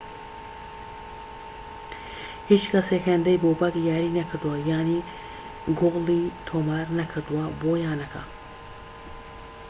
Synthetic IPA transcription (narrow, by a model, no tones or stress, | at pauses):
hit͡ʃkʰasekʰand̪ɐjboːbɐkjaːɾinɐkʰəɾd̪uwaːjaːni | ɡʊɣliːt̪ʰoːmaːɾnɐkʰəɾd̪uwaboːjaːnɐkʰa̰